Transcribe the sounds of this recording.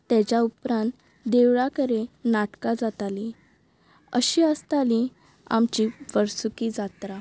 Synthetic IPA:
t̪ɛ̃t͡ɕjaupɾãnt̪ | d̪eʋɭakəɾenaʈkad͡zat̪ali | ə̰ɕiəst̪alĩ | a̰mt͡ɕiʋəɾsukid͡zat̪ɾa

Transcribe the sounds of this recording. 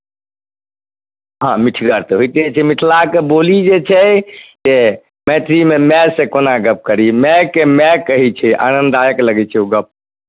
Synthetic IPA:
ɦãmiʈʰɡəɾt̪eɦojt̪iɛt͡ʃʰɛmiʈʰlakebolid͡ʒet͡ʃʰɛd͡ʒe | mɛʈʰɾimemɛsẽkonaɡəp̚kəɾimɛkːemɛkːəɦit͡ʃʰɛʔa̰nənd̪ajəkləɡɛt͡ʃʰɛuɡəp̚

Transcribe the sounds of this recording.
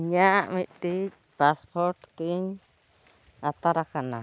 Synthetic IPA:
ɲãmĩʔt̪i | paspʰoɾt̪t̪iɲ | at̪aɾakanã

